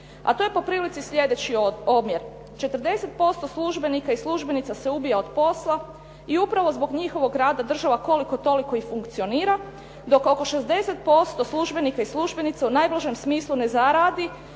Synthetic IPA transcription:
a̰t̪oje̞po̞pɾiːlit̪sisʎʲje̞d̪e̞t͡ɕiobmje̞ɾ | t͡ʃe̞t̪ər̩d̪e̞set̪̚po̞st̪o̞slˠuʒbe̞nikaislˠuʒbe̞nit̪ase̞ubijaod̪po̞slˠa | iupɾaʋo̞zbo̞ɡɲixo̞ʋo̞ɡɾaːd̪ad̪r̩ʒaʋako̞liko̞t̪o̞likoixfuŋkt̪sio̞niːɾa | d̪o̞ko̞ko̞ʃe̞zd̪e̞set̪̚po̞st̪o̞slˠuʒbe̞nikaisluʒbe̞nit̪seunajblˠaʒemsmiːslˠunezaɾaːd̪i

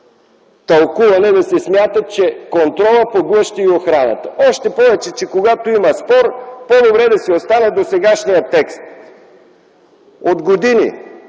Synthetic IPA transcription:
t̪ɐlˠkuvɐnɛd̪ɐsɛsmʲjat̪ət͡ʃɛkont̪ɾɔlˠəpoɡlˠɤʃt̪iːoxɾanə̰t̪ə̥ɔʃt̪ɛpɔvɛt͡ʃɛt͡ʃɛkoɡat̪oimɐspɔɾpɔd̪obɾɛd̪ɐsɛost̪anɛd̪osɛɡaʃnijət̪ːɛkst̪ | od̪ɡod̪inḭ

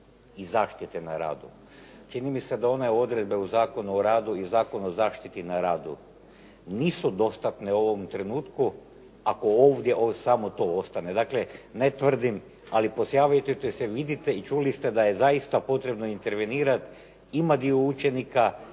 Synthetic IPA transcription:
izaːʃt̪it̪ena̰ɾa̰ːd̪u | t͡ʃinimise̞d̪ao̞ne̞o̞d̪ɾe̞d̪be̞uzaːko̞nuoɾaːd̪uizaːko̞nuozaːʃt̪it̪inaɾaːd̪ṵ | niːsud̪o̞st̪at̪ne̞o̞ʋo̞mt̪ɾe̞nuːt̪ku | ako̞oːʋd̪je̞ʔosamot̪o̞o̞st̪ane̞d̪akle̞net̪ʋr̩d̪im | alipo̞sjaːʋajut̪et̪eseʋid̪it̪e̞it͡ʃulist̪e̞d̪aje̞zaist̪apo̞t̪ɾe̞bnoint̪e̞ɾʋeniːɾat̪ | imad̪iout͡ʃe̞nika

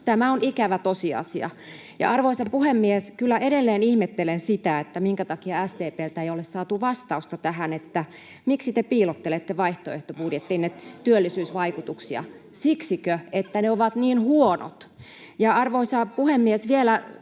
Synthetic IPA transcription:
t̪æmæonikæʋæt̪osiɑ̰siɑ̰ | jɑ̰ɑrʋoisɑpuhemːieskylːæʔeɾelːeːnihmet̪ːelensit̪æet̪ːæmiŋkæt̪ɑkiɑæst̪eːpeːlt̪æeiolessɑːt̪uʋɑst̪ɑust̪ɑt̪æhænet̪ːæ | miksit̪epiːlot̪ːelet̪ːeʋɑiht̪oḛht̪opuɾiet̪ːiinːet̪t̪ːyølːisyːsʋɑikut̪uksiɑ̰ | siksikøet̪ːæneoʋɑt̪niːnhuono̰t̪ | jɑɑrʋoisɑpuhemːiesʋielæ

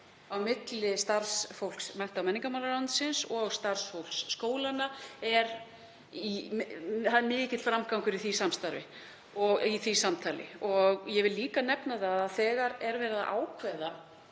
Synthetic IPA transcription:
awmɪt̪lɪst̪aɾ̥sfowl̥ksmɛn̥t̪awmɛniŋkamawlaɾlant̪sɪnsɔɣst̪ar̥sfowl̥ksːkoːwlanːaɛɾ | i | θaðɛɾmɪːcɪt̪fɾamkawŋkʏɾiθisamst̪aɾvɪ̰ | ɔɣiθisamt̪ʰaːlɪ̰ɔɣjɛvɪlːiːkanɛpnaðaðθɛːɣaɾɛɾvɛːɾɪða̰ʔa̰ːwkʰvɛða

